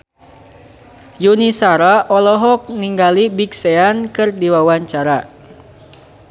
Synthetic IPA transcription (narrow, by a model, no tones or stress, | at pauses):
junisaɾaʔɔlɔɦɔk̚niŋɡalibikseankɨrdiwawaɲt͡ʃaɾa